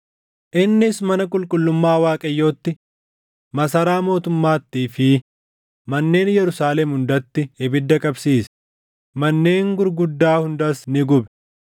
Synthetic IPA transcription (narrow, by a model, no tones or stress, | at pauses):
ʔɪnːɪsmɐnɐkʼʊlkʼʊlːʊmːaːwaːkʼɐjːoːt̪ːɪ | mɐsɐɾaːmo̞ːt̪ʊmːaːt̪ːiːfɪ | mɐnːe̞ːnjɛɾʊsaːlɛmhʊnd̪ɐt̪ːɪɪbɪd̪ːɐkʼɐbsiːs | mɐnːe̞ːŋɡʊɾɡʊd̪ːaːhʊnd̪ɐsnɪɡʊbɛ